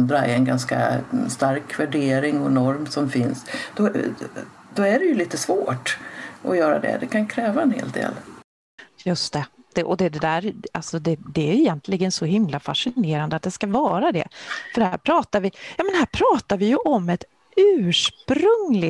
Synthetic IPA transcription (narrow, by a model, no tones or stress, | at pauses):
d̪ɾaɛ̰ɛnɡanska̰st̪aɾkvæɖeːɾɪŋɔnɔɾmsɔmfɪnsd̪̥ɔ | d̪̥ɔæɖɛjɵliːt̪əsvoːʈʔɔjœːɾa̰d̪ɛ̰d̪ɛkʰankʰɾɛːvaɛnhḛːlt̪̚d̪ḛːl | jɵst̪ɛd̪̥ɛʔɔd̪ɛd̪ɛd̪æːɾalsɔd̪ɛd̪ɛæjɪjɛnt̪ʰlɪɡənsɔɦɪmlafa̰ʂɪneːɾand̪əat̪̚d̪ɛskavɑːɾad̪ɛ̰fœɖhæ̰ːɾpʰɾɑːt̪aɾvɪjɑːmɛnhæːɾpʰɾɑːt̪aɾvɪjɵʔɔmːɛt̪ | ʉ̟ːʂpɾɵŋlɪ